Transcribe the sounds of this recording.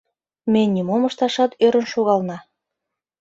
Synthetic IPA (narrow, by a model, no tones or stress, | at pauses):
menʲːimoməʃt̪ɑʃɑt̪øɾə̆nʃoɣɑlnɑ